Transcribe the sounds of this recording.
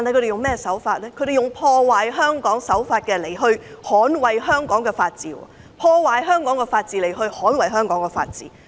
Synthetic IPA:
t̪a˨nhɐ˨jkɵ˧te˨jʊ˨ŋmɛː˥˨sɐ˨˥wfaː˧t̚lɛː˥kʰɥt̪ɾe˨jʊ˨ŋpʰɔː˧waː˨jɦœː˥ŋkɔː˨˥ŋsɐ˨˥wfaː˧t̚kɛː˧le˨˩jɦɵ˧ɥhɔː˨˥nwɐ˨jɦœː˥ŋkɔː˨˥ŋkɛː˧faː˧t̚t͡siː˨˩wɔ̰ː˧˩ | pʰɔː˧waː˨jɦœː˥ŋkɔː˨˥ŋkɛː˧faː˧t̚t͡siː˧le˨˩jɦɵ˧ɥhɔː˨˥nwɐ˨jɦœː˥ŋkɔː˨˥ŋkɛː˧fa̰ː˧t̚t͡sḭː˨˥

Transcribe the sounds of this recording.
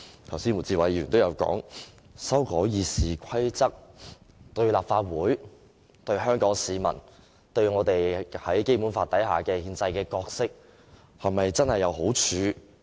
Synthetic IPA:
t̪ʰɐ˨˩wsi˥nwu˨˩t͡siː˧˩wɐ˨˧jyː˨˩nt̪o˥wjɐ˨˧wkɔ̰ː˨˥ŋ | sɐ˥wkɔː˨˥jiː˧siː˨kʷʰɐ˥jt͡sɐ˥k̚ | t̪ɵ˧ɥlaː˨p̚faː˧t̚wuː˨˥j | t̪ɵ˧ɥɦœː˥ŋkɔː˨˥ŋsiː˨˧mɐ̰˨˩n | t̪ɵ˧ɥŋɔː˨˧t̪e˨jhɐ˨˥jke˥jpu˨˥nfaː˧t̪ɐ˨˥jɦaː˨kɛː˧hiː˧nt͡sɐ˧jkɛː˧kɔː˧k̚sɪ˥k̚ | hɐ˨˩mɐ˨jt͡sɐ˥nhɐ˨jːɐ˨˧wɦo˨˥wt͡ʃʰyː˨˧

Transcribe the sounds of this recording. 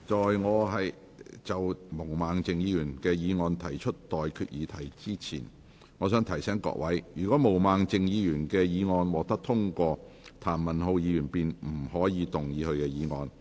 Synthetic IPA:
t͡ʃɔː˨jŋɔː˨˧ɦɐ˨j | t͡sɐ˨wmo˨˩wmaː˨ŋt͡sɪ˨ŋjiː˨˧jyː˨˩nkɛː˧jiː˨˧ŋɔː˧nt̪ʰɐ˨˩jt͡ʃʰɵ˥t̚t̪ɔː˨jkʰyː˧t̚jiː˨˧t̪ʰɐ˨˩jt͡siː˥t͡sʰḭː˨˩n | ŋɔː˨˧s̬œː˨˥ŋt̪ʰɐ˨˩jsɛː˨˥ŋkɔ̰˧˥k̚wɐ˨˥jjyː˨˩kɔː˨˥mo˨˩wmaː˨˩ŋt͡sɪ˨ŋjiː˨˧jyː˨˩nkɛː˧jiː˨˧ŋɔː˧nwɔː˨k̚t̪ɐ˥k̚t̪ʰʊ˥ŋkʷɔː˧ | t̪ʰaː˨˩nmɐ˨˩nɦo˧wjiː˨˧jyː˨˩npiː˨nm̩˨˩hɔː˨˥jiː˨˧t̪ʊ˨ŋjiː˨˧hɵ˧ɥkɛː˧jiː˨˧ŋɔː˨˧n

